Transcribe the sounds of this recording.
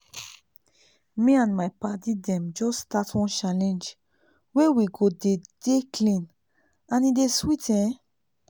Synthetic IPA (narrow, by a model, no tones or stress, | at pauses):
mĩãnmajpatidɛ̃md͡ʒɔstatwɔ̃nt͡ʃalɛ̃nd͡ʒ | wewiɡoded̥eklĩn | ãnideswitʰɛ̃